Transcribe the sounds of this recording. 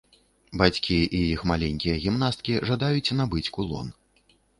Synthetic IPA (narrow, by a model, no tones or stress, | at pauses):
bat͡sʲkʲiijixmalʲɛŋʲkʲijɐɣʲimnast̪̚kʲiʐad̪ajut͡sʲnabɨt͡sʲkulˠɔ̰n